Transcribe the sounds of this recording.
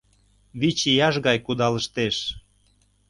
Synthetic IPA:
βit͡ɕijɑʒɣɑjkud̪ɑləʃt̪eʃ

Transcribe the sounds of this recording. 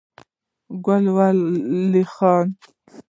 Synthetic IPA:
ɡalwalːixɑːn

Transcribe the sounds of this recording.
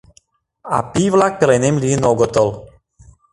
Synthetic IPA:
a̰pivlak̚pɾɛnemlʲinɔɡɔt̪ɔl

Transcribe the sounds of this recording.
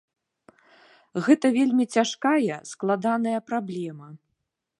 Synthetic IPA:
ɣɛt̪ɐvʲelʲmʲit͡sʲaʂkajɐsklˠad̪anɐjɐpɾablʲɛmɐ

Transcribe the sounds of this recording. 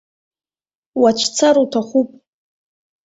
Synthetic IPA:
wat͡ʃʷʰt͡sʰaɾutʰaχʷupʼ

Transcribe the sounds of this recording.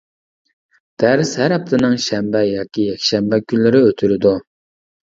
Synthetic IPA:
d̪̥æɾshæɾɛp̚t̪ʰɪnɨŋʃɛmbɛjɑːkʲijɛkʲʃɛmbɛkʲʰynlɪɾɪøt̪ʰyɾɪd̪u

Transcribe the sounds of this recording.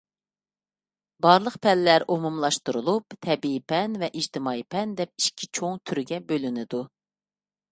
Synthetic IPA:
bɑɾlˠəqpʰɛlːæɾʔomumlˠɑʃt̪uɾulˠupt̪ʰɛbiipʰɛnvɛʔid͡ʒt̪ʰɪmɑipʰɛnd̪ɛp̚iʃkʲʰit͡ʃʰoŋt̪ʰyɾɡʲɛbølynɪd̪u

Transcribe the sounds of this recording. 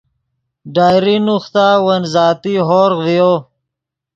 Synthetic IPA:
ɖaːjɾinuxt̪aːwɐnzaːt̪iɦoːɾɣvijo

